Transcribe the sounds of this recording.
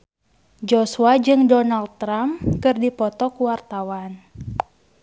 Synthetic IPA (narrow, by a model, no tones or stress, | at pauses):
d͡ʒɔsuad͡ʒɨŋdɔnald̪̚t̪ːɾamkɨrdipɔt̪ɔkuwart̪awan